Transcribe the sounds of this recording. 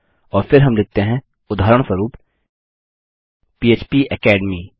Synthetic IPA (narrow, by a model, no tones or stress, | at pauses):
ɔːɾfɪɾɦɐmlɪk̚t̪eɦɛ̃ | ʊd̪ʱaːɾəɽ̃swəɾuːp | piːeːt͡ʃpiʔɛkɛːɖmiː